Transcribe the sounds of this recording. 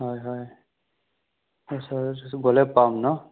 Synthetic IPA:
ɦɔjɦɔj | ɔsaɡɔlɛpːamnɔ

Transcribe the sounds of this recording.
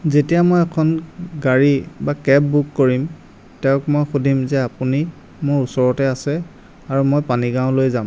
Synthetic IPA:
zetijamojɛkʰɔnɡaɹibakɛp̚bukːoɹim | tɛʊ̃kmojxudʱimzɛapuni | mʊɹusɔɹɔtɛasɛ | aɹumojpaniɡãʊ̃lojzam

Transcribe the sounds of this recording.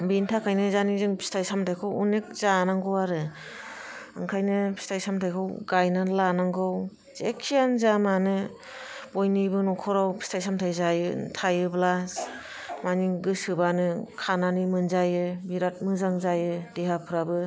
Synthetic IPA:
bintʰakʰajnɯzanizɯŋbi̥stʰajsamtʰajkʰɯwunek̚zanaŋɡɯwaɾɯ | ɯ̰ŋkʰajnɯbi̥stʰajsamtʰajkʰɯwɡajnalanaŋɡɯw | zekʰːijanzamanɯ | bojnibɯnɔkʰɔɾawbi̥stʰajsamtʰajzajɯtʰajɯblas | maniɡɯsɯbanɯkʰananimɯnzajɯbiɾat̚mɯzaŋzajɯdeɦapʰɯɾabɯ

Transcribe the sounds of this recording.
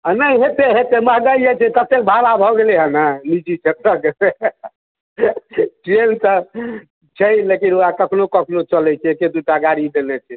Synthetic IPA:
ənəiɦet̪eɦet̪eməɦɡəijɛt͡ʃʰɛkət̪ːek̚bʱaɾabʱɔɡeleɦənanid͡ʒit͡ʃʰet̪ɾək | ʈɾensə | t͡ʃʰəlekinuakəkʰnokəkʰnot͡ʃəlɛt͡ʃʰɛeked̪uʈaɡaɾid̪enɛt͡ʃʰɛ

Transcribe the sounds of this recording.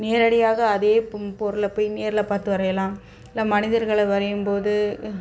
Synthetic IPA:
neːɾɐɽɪjaːɣɐːðeːpɔɾɯlɐpːoːjneːɾɪlɐpaːɾt̪ɯʋɐɾɐjɐlaːm | ɪlːaːmɐnɪðɐɾɣɐɭɐʋɐɾɐjɯmpoːðɯ

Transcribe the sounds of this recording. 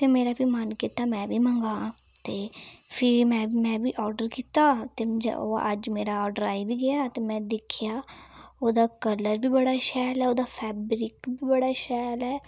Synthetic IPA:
t̪eːmeːɾaːbimankiːt̪aːmɛ̃ːbʱiːmə̃ŋɡaː | t̪eːpʰɪɾmɛ̃ːmɛ̃ːbiːʔɔːɾɖəɾkiːt̪aːt̪eːmʊd͡ʒɛ̰o̰ːəd͡ʒmeːɾaɔːɾɖəɾaːibiːɡəjaːt̪eːmɛ̃ːd̪ɪkʰjaːoːd̪aːkələɾbiːbəɽaːʃɛːlɛːoːd̪aːpʰɛːbɾɪkbiːbəɽaːʃɛːlɦɛː

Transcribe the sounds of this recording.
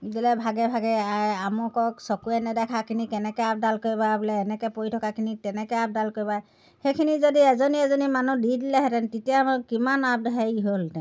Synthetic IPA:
idilɛbʱaɡɛbʱaɡɛaɹamɔkɔksɔkuɛnɛdɛkʰakʰinikɛnɛkɛap̚dalkoɹibabulɛːnɛkɛpoitʰɔkakʰinitɛnɛkɛap̚dalkoɹiba | xekʰinizodiɛzɔniɛzɔnimanudidilɛɦɛtɛntitijaamʊkimanap̚dɛɦaiɦoltɛ̃

